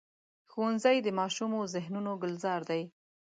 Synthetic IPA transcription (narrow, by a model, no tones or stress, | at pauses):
xowanzajd̪əmɑʃumozɪɦnunoɡʊlzɑɾd̪aj